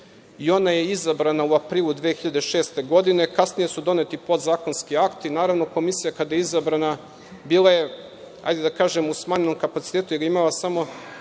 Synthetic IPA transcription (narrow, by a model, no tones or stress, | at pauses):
io̞najeizabɾanauapɾiːlˠud̪ʋeːxiʎad̪eʃeːst̪e̞ɡo̞d̪ine̞kasnije̞sud̪o̞net̪ipo̞d̪zaːko̞nskiakt̪inaːɾaʋno̞ko̞misijakad̪ajeizabɾana | biːlˠaje̞ | ha̰jd̪ed̪akaːʒemusmaːɲenomkapat̪si̥t̪eːt̪ujeɡimalasamo̞